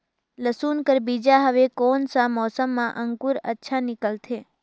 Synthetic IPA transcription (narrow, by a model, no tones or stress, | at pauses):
ləsuːnkəɾbid͡ʒaɦəʋekonsãmɔːsəmːãʔəŋkuɾə̰tːʃʰanɪkəlt̪ʰe